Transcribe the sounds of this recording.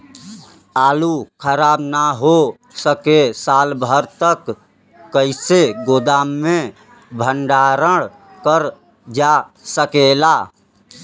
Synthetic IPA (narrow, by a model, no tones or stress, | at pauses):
aːlukʰəɾaːbnaɦo | səkesaːlbʱəɾt̪əkː | əɪseɡod̪aːmːẽ | bʱəɳɖaɾəɽ | kəɾ | d͡ʒasəkela